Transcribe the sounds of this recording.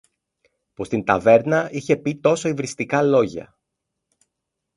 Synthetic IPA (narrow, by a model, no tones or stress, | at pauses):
pust̪int̪ɐve̞ɾnɐiçe̞pit̪o̞so̞ivɾist̪ikɐlo̞ʝɐ̰